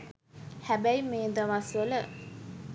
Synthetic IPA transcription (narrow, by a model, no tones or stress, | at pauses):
hæbæjmeːd̪əʋasʋələ